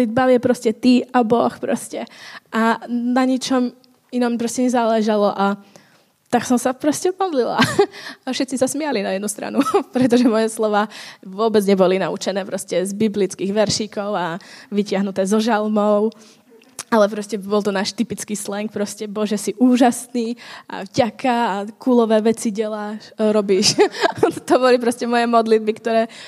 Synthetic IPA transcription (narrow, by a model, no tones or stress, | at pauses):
lid̪̚baʋɛpɾɔscɛt̪iabɔxpɾɔ̰scɛʔanaɲit͡ʃɔm | inɔmpɾɔscɛɲɛzalɛʒalɔʔa | t̪aksɔmsapɾɔscɛmɔd̪lila̰afʃɛt̪t͡sisasmɪalinajɛd̪nust̪ɾa̰nupɾɛt̪ɔʒɛmɔjɛslɔʋaːʋʊɔbɛd͡zɲɛbɔlinaut͡ʃɛnɛːpɾɔscɛzbiblit͡skiːɣʋɛɾʃikɔʊaʋicɪaɦnut̪ɛːzɔʒalmɔʊ | alɛpɾɔscɛbɔlˠt̪ɔnaːʃt̪ipit͡skiːslɛŋk̚pɾɔscɛbɔlʒɛsiʔuːʒasniːa̰vɟakʰaːkuːlɔʋɛːʋɛt͡siɟɛlaːʃɾɔbiːʃ | t̪ɔbɔlipɾɔscɛmɔjɛmɔd̪lid̪̚bikt̪ɔɾɛː